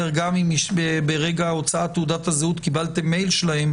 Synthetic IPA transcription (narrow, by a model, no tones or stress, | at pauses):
eʁɡamimʃbebeʁeɡaot͡saat̪ːeud̪at̪hazeut̪kibalt̪emːejlʃlahem